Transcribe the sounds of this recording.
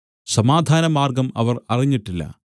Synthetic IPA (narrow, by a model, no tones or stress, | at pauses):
sɐmaːd̪ʱaːnɐmaːrɡɐmɐ̰ʋɐrɐriɲːiʈːilːɐ̰